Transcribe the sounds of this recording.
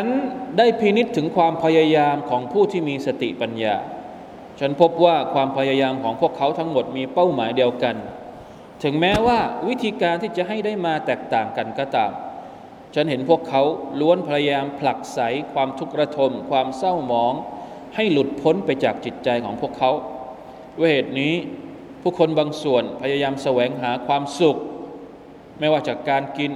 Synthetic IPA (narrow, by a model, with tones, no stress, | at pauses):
t͡ɕʰa˦˥ndaː˥˩jpʰiː˦˧ni˦˥t̪ʰːɯ˩˦ŋkʰwaː˧mpʰa˧ja˧jaː˧mkʰɔː˩˦ŋpʰuː˥˩t̪ʰiː˥˩miː˧sa˧t̪ḭ˨˩ʔpa˧nja̰ː˧ | t͡ɕʰa˦˥npʰo˦˥p̚waː˥˩kʰwaː˧mpʰa˧jaː˧jaː˧mkʰɔː˩˦ŋpʰu˥˩əkʰːa˦˥wt̪ʰa˦˥ŋmo˨˩t̪̚miː˧pa˥˩wmaː˩˦jdi˧əwka˧n | t̪ʰɯ˩˦ŋmɛː˦˥waː˥˩wi˦˥t̪ʰiː˧kaː˧nt̪ʰiː˥˩t͡ɕa˨˩ʔɦa˥˩jda˥˩jmaː˧t̪ɛː˨˩k̚t̪aː˨˩ŋka˧nkɔː˧˩t̪aː˨˩m | t͡ɕʰa˦˥nɦe˩˦npʰu˥˩əkʰːa˦˥wlu˦˥ənpʰa˧ja˧jaː˧mpʰla˨˩k̚sa˩˦jkʰwaː˧mt̪ʰu˦˥k̚ɾa˧t̪ʰo˧mkʰwaː˧msa˥˩wmɔː˨˩˦ŋ | ha˥˩jlu˨˩t̪̚pʰo˦˥npa˧jt͡ɕaː˨˩k̚t͡ɕi˨˩t̪̚t͡ɕa˧jkʰɔː˩˦ŋpʰu˥˩əkʰːa˦˥w | uː˧˥˩heː˨˩t̪̚niː˦˥ | pʰuː˥˩kʰo˧nbaː˧ŋsu˨˩ənpʰa˧ja˧jaː˧msa˧wɛː˩˦ŋɦaː˩˦kʰwaː˧msu˨˩k̚ | mɛː˥˩waː˥˩t͡ɕaː˨˩kːaː˧nki˧n